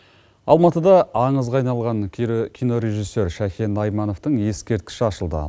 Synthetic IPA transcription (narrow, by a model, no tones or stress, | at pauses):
ɑlˠmɑt̪əd̪ɑɑɴəzʁɑjnɑlˠʁɑŋkʲʰijno̞ɾe̞ʒijsːe̞ɾʃækʲenɑjmɑno̞ft̪əɴje̞skʲe̞ɾt̪̚kʲɪ̥ʃɪɑʃəlˠd̪ə̰